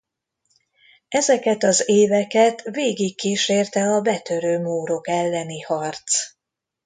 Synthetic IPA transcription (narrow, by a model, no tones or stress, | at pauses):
ɛzɛkɛt̪ɒzeːvɛkɛt̪veːɡikːiːʃeːrt̪ɛɒbɛt̪ø̞ɾøːmoːɾo̞kɛlːɛnihɒrt̪s